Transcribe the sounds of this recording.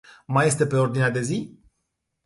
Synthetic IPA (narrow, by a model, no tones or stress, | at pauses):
maje̞st̪e̞pe̞o̞rd̪inead̪e̞zi